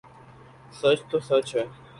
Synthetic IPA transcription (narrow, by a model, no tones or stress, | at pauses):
sət͡ʃt̪oːsət͡ʃʰɦɛː